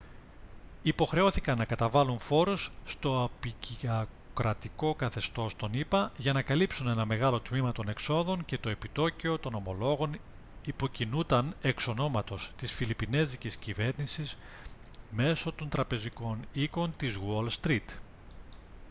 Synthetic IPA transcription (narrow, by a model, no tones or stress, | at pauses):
ipo̞xɾe̞o̞θikɐnːɐkɐt̪ɐvɐluɱfo̞ɾosːt̪o̞ɐpiciɐ | kɾɐt̪iko̞kɐθe̞st̪o̞st̪o̞nipɐʝɐnɐkɐlipsune̞nɐme̞ɣɐlo̞t̪mimɐt̪o̞ne̞kso̞ðo̞ɲce̞t̪o̞e̞pit̪o̞ceo̞t̪o̞no̞mo̞lo̞ɣo̞n | ipo̞cinut̪ɐne̞kso̞no̞mɐt̪o̞st̪isfilipine̞ziciscive̞ɾnisiz | me̞so̞t̪o̞nt̪ɾɐpe̞ziko̞niko̞nt̪izɣolst̪ɾit̪